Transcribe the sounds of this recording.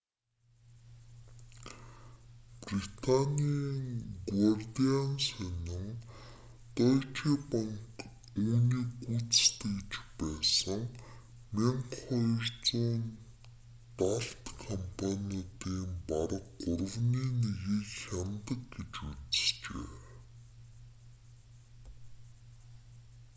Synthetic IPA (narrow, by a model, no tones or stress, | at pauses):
prit̪ʰanʲiːŋɡwart̪eansœnɪ̆ŋ | t̪ɔt͡ɕʰiːpaŋk | uːniːkut͡sst̪et͡ɕpæːsə̆ŋ | meɴqχɔjrt͡suːn | t̪aɬt̪kʰɔmpʰaniɔt̪iːmpaɾə̆qːʊrə̆wniːneɣiːkxʲamt̪ə̆k̚ɡet͡ɕut͡s̆st͡ɕḛː